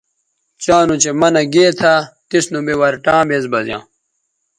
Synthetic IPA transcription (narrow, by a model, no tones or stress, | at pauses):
t͡ɕãːnut͡ɕemɐnɐɡeːt̪ʰaːt̪isnubewɐɾʈãːbezbɐzjã̰ː